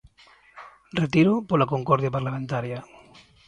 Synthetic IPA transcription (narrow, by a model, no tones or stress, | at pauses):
ret̪iɾopolakoŋkɔɾðjapaɾlamẽnt̪aɾja